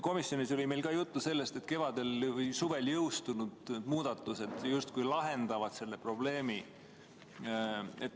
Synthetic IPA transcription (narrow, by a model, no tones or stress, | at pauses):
ko̞misːjo̞niso̞lʲime̞jlkɑːjut̪ːuse̞lːe̞st̪e̞t̪ke̞vɑd̪e̞lvɤjsuve̞ljɤwst̪unud̪̥d̪muːd̪̥ɑt̪ːˑuse̞d̪̥just̪̚kujlɑɦe̞nd̪̥ɑvɑd̪̥se̞lːe̞pro̞b̥le̞ːmi | et̪ː